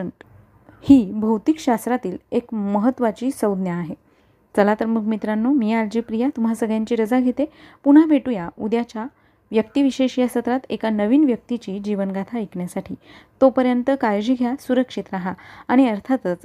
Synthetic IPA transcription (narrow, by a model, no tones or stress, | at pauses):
ɳʈ | hiːbʱəwt̪ikɕast̪ɾat̪iːlekməɦət̪ːʋat͡ɕiːsəwd̪njaːɦe | t͡səlat̪ɾəmukʰmit̪ɾanːomiːaɾd͡ʑipɾijat̪um̤asəɡjãɲt͡ɕiːɾəd͡zaɡʱet̪epuɽ̤abʱeʈujaud̪jat͡ɕa | ʋjəkt̪iʋiɕeɕijasət̪ɾat̪ekanəʋiːnʋjək̚t̪it͡ɕiːd͡ʑiʋənɡʱat̪ʰaikɳjasaʈʰḭːt̪opəɾjənt̪əkajd͡ʑiːɡʱjasuɾəkʂit̪ɾaɦaːɽ̃iəɾt̪ʰat̪ət͡s